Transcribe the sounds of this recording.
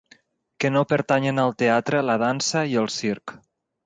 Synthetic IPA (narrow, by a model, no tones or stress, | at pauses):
kənopəɾt̪aɲənəlˠt̪eat̪ɾələð̞ansəiəlˠsiɾk